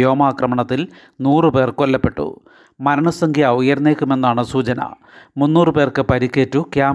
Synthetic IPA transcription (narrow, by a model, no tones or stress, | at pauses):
jo̞ːmaːkrɐmɐɳɐt̪ːil | nuːrɨpe̞ːrkolːɐpːe̞ʈːṵ | mɐɾɐɳɐsɐŋɡʱjɐujɐɾnːeːkʲːume̞nːaːɳɨsuːt͡ɕɐnɐ̰ | munːuːrɨpe̞ːrkɨpɐɾikʲːeːtːukjaː